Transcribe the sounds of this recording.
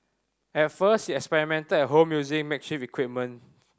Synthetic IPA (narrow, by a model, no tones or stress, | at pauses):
ɛt̚fəshiɛkspɛɹimɛ̃ntədɛɦomjuzikmɛk̚ʃipikwip̚mə̃n